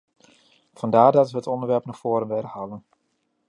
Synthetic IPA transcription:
v̥ɑndaːɹdɑtʋəɦətɔndəɹʋɛɹpnɔχfoːɾənʋɪɾəhaːlən

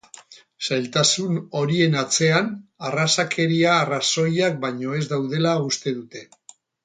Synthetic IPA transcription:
sajlt̪asuno̞ɾie̞nat͡se̞anarasakʰe̞ɾiaːraso̞jak̚baɲo̞e̞zd̪awð̞e̞laust̪e̞ðut̪e̞

